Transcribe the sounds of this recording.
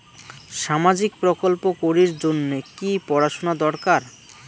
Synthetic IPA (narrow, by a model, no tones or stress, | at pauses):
ʃamad͡ʑik̚pɾokolpokoɾiɾd͡ʑonːekipɔɾaʃonad̪ɔɾkaɾ